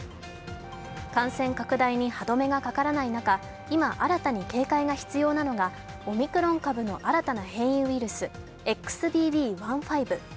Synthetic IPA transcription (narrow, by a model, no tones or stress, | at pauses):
kãɰ̃sẽ̞ŋkakɯ̟d̪aiɲ̟ihad̪o̞me̞ɡakakaɾanainaka | imaʔaɾat̪aɲ̟ike̞ːkaiɡaçi̥t͡sɨjo̞ːnano̞ɡa | o̞mʲikɯ̟ɾõ̞ŋkabɯ̟no̞ʔaɾat̪anahẽ̞ɰ̃jɯiɾɯ̟sɨ | e̞kːɯ̥sɨbʲiːbʲiːβãɰ̃ɸaibɯ̟